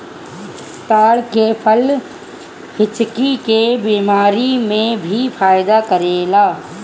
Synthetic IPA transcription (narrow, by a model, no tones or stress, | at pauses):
t̪aːɽkepʰəl | hɪt͡ʃkikebiːmaːɾimẽbʱifʰaːjɪd̪akɐɾeːlaː